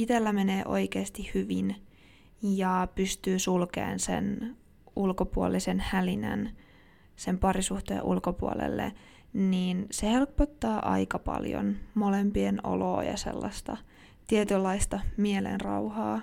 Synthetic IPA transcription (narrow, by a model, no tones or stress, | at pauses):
it̪elːæmeneːʔo̞ikeːst̪ihyʋin | jɑpyst̪yːsulkḛːnsḛn | ulkopuolisenhælinæ̰n | sempɑɾisuht̪ḛːʔulkopuolḛlːḛ | niːnsehelpːot̪ːɑːʔɑ̰ikɑpɑ̰ljo̰nmolempieno̰lo̰ːjɑ̰sḛlːɑst̪ɑ̰ | t̪iet̪ylːɑist̪ɑmielḛnrɑuhɑː